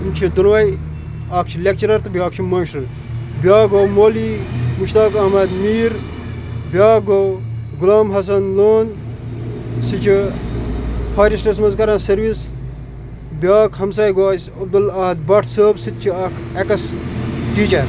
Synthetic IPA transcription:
nt͡ʃʰid̪unʋɐj | aːk̚ʰt͡ʃʰilʲek̚t͡ʃɐɾɐɾt̪bjaːk̚t͡ʃʰimɐːnʃɐɾ | bʲjaːɡoːmoːliːmuʃt̪aːkɐːmɐd̪miːɾ | bʲaːɡo | ɡulaːmɦɐs̬ɐnloːn | sit͡ʃʰi | pʰaːɾisʈɐsmɐnzkɐɾãːnsɐɾʋis | bʲjaːkʰɦɐmsaːjɡaːsɐb̚d̪ulaːd̪̚bɐʈʰsəːbsit̪̚t͡ʃʰiaːkʰekɐsʈiːt͡ʃɐɾ

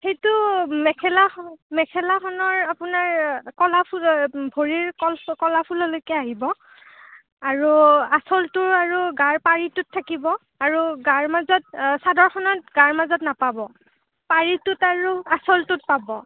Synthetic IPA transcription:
xejtʊmɛkʰɛlamɛkʰɛlaxɔnɔɹapʊnaɹkɔlapʰubʱoɹiɹkɔlkɔlapʰulɔlojkɛaɦibɔ | aɹuasɔltʊɹaɹuɡaɹpaɹitʊtʰːakibɔ | aɹuɡaɹmazɔt̚sadɔɹxɔnɔt̚ɡaɹmazɔtnapabɔ | paɹitʊtaɹuasɔltʊt̚pabɔ

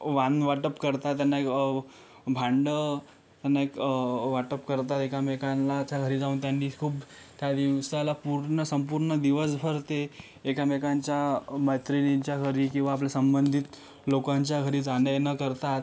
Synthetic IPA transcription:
ʋanʋaʈəpkəɾt̪at̪ːjanːaek | bʱãɳɖə | t̪janːaekʋaʈəpkəɾt̪at̪ekamekãnlat͡ɕjaɡʱəɾiːd͡zauːnt̪janːiːkʰuːb | t̪jad̪iʋsalapuɾɳəsəmpuːɾɳəd̪iʋəsbʱəɾt̪eː | kamekaɲt͡ɕjaməjt̪ɾiniɲt͡ɕjaɡʱəɾiːkĩw̃ʋaːpljasəmbənd̪ʱit̪ | lokaɲt͡ɕjaɡʱəɾiːd͡zanəjnəkəɾt̪at̪

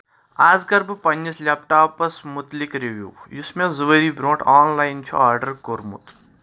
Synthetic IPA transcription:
aːzkɐɾbpɐnd͡ʒislʲaːpʈaːpɐsmʊt̪likɾiʋjṵːjusmẽzuʋəɾiːbɾõːʈaːnlaːjnt͡ʃʰṵaːɾɖɐɾkoɾmṵt̪

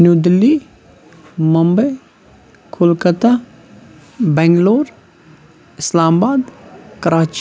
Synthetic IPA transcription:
njud̪li | məmbəj | kʰʊlkət̪a | bɛŋɡloːɾ | ɪslaːmbaːd̪kəɾaːt͡ʃ

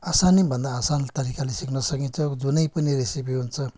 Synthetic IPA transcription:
asanibʱʌnd̪aːsant̪ʌɾikalesiknʌsʌkint͡sʰʌd͡zunʌjpʌniɾesipiɦunt͡sʰʌ

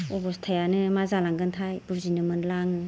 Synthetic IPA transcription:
ɔbɔstʰajanɯmazalaŋɡɯntʰajbuzinɯmɯnlaŋɯ

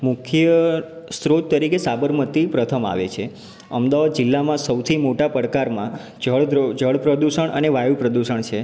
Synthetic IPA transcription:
mʊkʰjə | st̪ɾot̪ːəɾikesabəɾmət̪ipɾət̪ʰəma̰ʋḛt͡ʃʰe | əmd̪aʋad̪̚d͡ʒɪlːamãsəwt̪ʰimoʈapəɽkaɾmã | d͡ʒəɭd͡ʒəɭpɾəd̪uʃəɳ̃ə̰neʋajupɾəd̪uʃəɳt͡ʃʰe

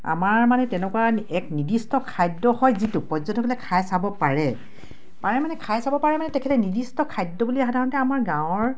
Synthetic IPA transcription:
a̰maɹmanɛtɛnɛkuwaɛknidistɔkʰajdːɔhɔjzitʊpɔzɔntɔkʰɔlɛkʰajsabɔpaɹɛ | paɹɛmanɛkʰajsabɔpaɹɛmanɛtɛkʰɛtɛnidistɔkʰajdːɔbuliaxadʱaɹɔntɛamaɹɡãw̃ɔɹ

